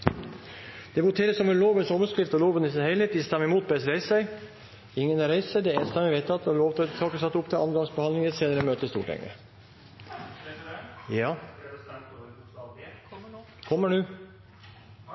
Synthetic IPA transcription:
d̪̥ɛʋʊt̪ʰeːɾəsɔmɛnloːʋənsɔʋəskɾɪft̪ɔloːʋənɪsæhɛɪleːt̪ɪst̪ɑmɪmuːt̪̚bɛsɾæɪsæɪ | ɪŋːənɑɾæɪsəd̪ɛeːnst̪ɑmɛʋɛɪt̪ʰɑt̪ːɔloːʋt̪ʰt̪ʰɑːkəsɑt̪ːəʊpt̪ʰɪʔɑ̰nəɡ̪ɑŋsbəhɑnlɪŋəseːnəɾəmøːt̪əst̪ṵːʈʰɛ̰ŋə̰ | jɑː | kʰɔmːəɖʉː

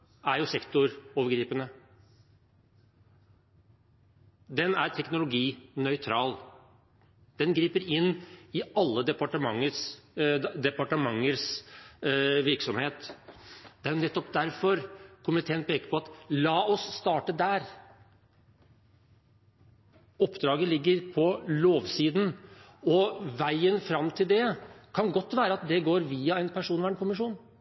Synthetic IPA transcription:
æɾjʊsɛkt̪ʊɾoːʋəɾɡɾiːpənə | d̪ɛnæɾʈ̪ʰɛknʊlʊɡiːnœʏt̪ʰɾɑːl | d̪̥ɛnɡɾiːpəɾɪnːɪɑlːəd̪ɛpɑʈəmɑŋːəs | d̪ɛpɑʈəmɑŋːəɾs | ʋɪɾksɔmheːt̪ | d̪̥ɛæɾjʊnɛt̪ːɔpd̪æɾfɔɾkʰʊmɪt̪ʰeːənpʰeːkəɾpʰɔɑt̪lɑːɔsːt̪ɑːʈəd̪æɾ | ɔpːd̪ɾɑːɡəlɪɡːəɾpʰɔloːʋsiːd̪n̩ | ɔʋæɪənfɾɑmːt̪ʰɪld̪ɛkʰɑnɡɔt̪ːʋæːɾəɑt̪̚d̪ɛɡoːɾʋiːɑɛnpʰæʂuːnʋæːɳkʰʊmɪʂuːn

